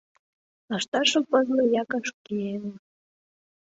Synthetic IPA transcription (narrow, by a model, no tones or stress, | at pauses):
ɑʃt̪ɑʃopɤzlɤ̆jɑkɑʃkiene